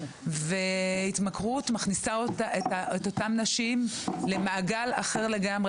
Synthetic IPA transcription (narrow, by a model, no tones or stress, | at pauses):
veitmakʁutmaχnisaotaetaeto̞tamnaʃimle̞maʔːɡalaχe̞ʁle̞ɡamʁe